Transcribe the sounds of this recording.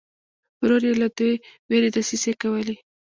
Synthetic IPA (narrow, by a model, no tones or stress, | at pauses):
ɾoɾjelad̪ujweɾed̪asisekawəli